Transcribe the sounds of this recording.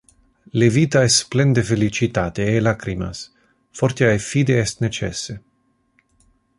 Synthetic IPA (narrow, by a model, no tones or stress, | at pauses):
levit̪aɛsplɛnd̪efelit͡ʃit̪at̪eːlakɾima̰s | foɾt̪jaefid̪eɛst̪net͡ʃɛ̰se